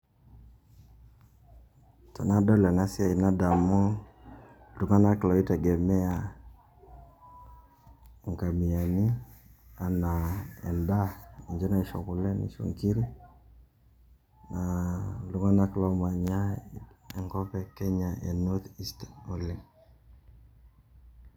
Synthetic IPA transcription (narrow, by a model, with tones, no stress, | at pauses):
tɔ˨na˦dɔ˦lna˦si˦a˨i˨na˦da˨mɔ˦ | lu˨ŋa˦na˦klɔ˨i˦tɛ˨ɡɛ˨mɛ˦a˨ | ŋka˨mi˨a˨ni˦a˨na˨ɛ̰˨nda˦i˨ɲd͡ʒɛ˦na˦i˨ʃɔ̰˨kʊ˨lɛ˦nḭ˨ʃo̰˨ŋki˦ɾi˦ | na˨lu˨ŋa˦na˦klɔ˦ma˨ɲa˦ɛ˨ŋkɔ˦pɛ˦kɛ˦ɲa˨ḛ˨nɔ˦t̪i˦stḁ˨o˦lɛ˦